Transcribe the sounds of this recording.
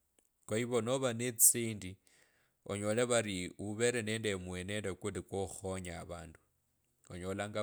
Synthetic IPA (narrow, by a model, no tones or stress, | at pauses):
koiβonoβanet͡siːndi | o̰ɲolɛβaɾiuβɛɾɛnɛndɛmwɛnɛndɛkulikoxoɲaːβaːndu | oɲolaŋɡa